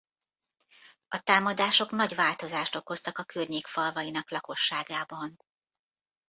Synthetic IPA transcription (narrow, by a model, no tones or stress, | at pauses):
ɒt̪aːmɒd̪aːʃo̞knɒɟvaːlt̪o̞zaːʃt̪o̞ko̞st̪ɒkɒkʰørɲeːkfɒlvɒjinɒklɒko̞ʃːaːɡaːbɒn